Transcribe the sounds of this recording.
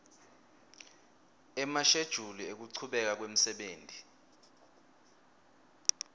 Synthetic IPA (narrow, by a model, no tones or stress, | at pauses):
ɛmaʃed̥ʒ̥ʱuliek̬uǀʰuɓɛk̬ak̬wem̩sɛɓeːntʼi